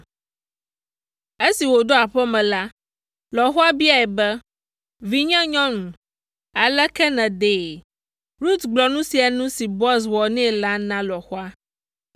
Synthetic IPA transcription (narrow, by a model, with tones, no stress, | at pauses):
e˦si˨wo˨ɖo˦a˨ɸɛ˦mɛ̃˨la˦ | lɔ˨xɔ˦a˦bi˦a˦ɛ˨bɛ˦ | vi˦ɲɛ̃˦ɲɔ̃˦nũ˨ | a˨lɛ˦kɛ˦nɛ̃˨d̪eː˨ | ɾu˦t̪ɡ͡blɔ˨nũ˦si˨a˨nũ˦si˨bɔ˦s̬wɔ˨nɛ̃˦˨la˦nã˦lɔ˨xo˦a˦